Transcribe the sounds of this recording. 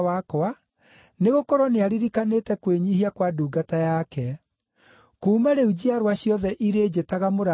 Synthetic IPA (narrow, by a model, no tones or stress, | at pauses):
wakɔa | neɣokɔɾoneaɾiɾikanetɛkweɲihiakwaduːɡatajakɛ | kuːmaɾeud͡ʑiaɾwaɕjɔðɛʔiɾeːd͡ʑetaɣamoɾa